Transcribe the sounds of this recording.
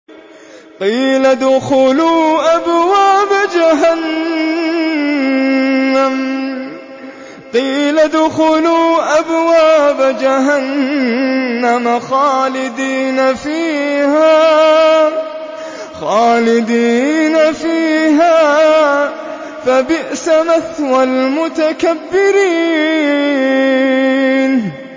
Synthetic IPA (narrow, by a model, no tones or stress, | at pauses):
qiːlad̪ʊxʊluːʔabwaːbad͡ʒaɦan | am | qiːlad̪ʊxʊluːʔabwaːbad͡ʒaɦanː | amaxaːlɪd̪iːnafiːhaː | xaːlɪd̪iːnafiːɦaː | fabɪʔsamaθwalmʊt̪akabːɪɾiː | n